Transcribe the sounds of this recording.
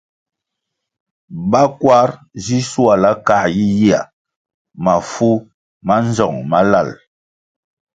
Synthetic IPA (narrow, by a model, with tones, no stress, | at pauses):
ba˦kwa˦ɾ | zi˦su˦a˨la˦ka˦ji˦ji˦a˨ | ma˨fu˦ | ma˦n˦zɔ˨ŋma˦la˦˨l